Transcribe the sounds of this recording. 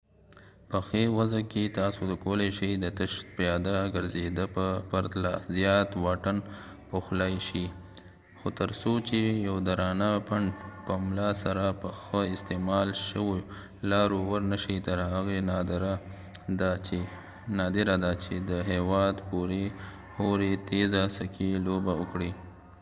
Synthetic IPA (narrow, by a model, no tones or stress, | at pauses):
pəxewazaket̪ɑsod̪əkoleʃəjd̪ət̪əʃpjɑd̪aɡəɾzed̪əpəpaɾt̪lazjɑt̪wɑʈən | poxlajʃi | xot̪əɾsot͡ʃejawd̪aɾɑnapaɳɖpəmlɑsaɾapəxəɪst̪emɑlʃəwo | lɑɾowəɾnəʃəjt̪əɾɦaɣend̪ɾa | d̪a | nɑd̪ɪɾad̪at͡ʃed̪əɦewɑd̪puɾe | hoɾet̪ezasakʰilobaʊkɽi